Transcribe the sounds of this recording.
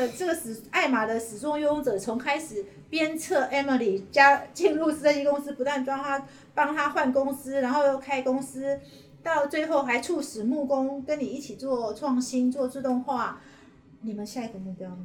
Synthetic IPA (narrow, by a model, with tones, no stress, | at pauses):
ʈ͡ʂə˥˩ɡə˩s̩˨˩a˥˩ɪma˨˩d̪ə˦ʂɻ̩˨˩t͡sʊ˥˩ŋjʊ˥ŋt͡sɤ˨˩t͡sʰo˧˥ŋkʰa˥ɪʂɻ̩˨˩ | pjɛ˥nt͡sʰɤ˥˩ʔɛ˥mə˨li˨˩t͡ɕja˥t͡ɕi˥˧nlu˥˧sɨ˥ə˧˩i˥kʊ˥ŋs̩˥pu˧˥t̪wa˥˩nʈ͡ʂwa˥ŋt̪ʰa˥ | pɑ˥ŋt̪ʰa˥xwa˥˩nkʊ˥ŋsɹ̩˥ɻa˨˧nxo˥˧ʊjo˥˩ʊkʰa˥ɪkʊ˥ŋs̩˥ | t̪ɑ˥˧ʊt͡swe˥˧ɪxo˥˩ʊxa˧˥ɪʈ͡ʂʰu˥˩ʂɻ̩˨˩mu˥˩kʊ˦˥ŋkə˦˥nni˨˩i˥˩t͡ɕʰi˨˩t͡swɔ˥˨˧ʈ͡ʂʰwɑ˥˩ŋɕi˥nt͡swɔ˥˧t͡su˥˧t̪ʊ˥˧ŋxwa˥˩ | ni˨˩mə˨nɕja˥˩i˨˩ɡə˨˩mu˥˩pjɑ˥˩m˨˩